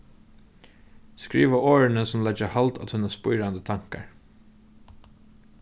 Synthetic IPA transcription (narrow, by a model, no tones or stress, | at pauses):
skɹiːʋaoːɹɪnəsɔmlɛd͡ʒahalt̪a̰t̪hʉːnaspʊjɾand̪ət̪ʰaŋ̥ka̰ɹ